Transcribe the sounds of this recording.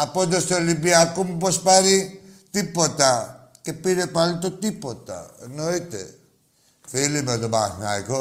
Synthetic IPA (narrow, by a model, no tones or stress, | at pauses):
apɔd̪ɔst̪elːibiakumpɔspaɾit̪ipːɔt̪a | kepːiɾepalt̪ot̪ipot̪ːa̰noit̪ḛ | filimed̪obahnajko